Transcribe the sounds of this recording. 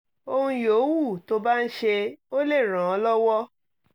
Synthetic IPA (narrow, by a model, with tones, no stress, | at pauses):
o˧hũ˧joː˨˦wu˦˨to˧ba˦˧n̩˦ʃe˧o˦le˦˨ɾ̃ã˨ɔ˧lɔ˦wɔ˦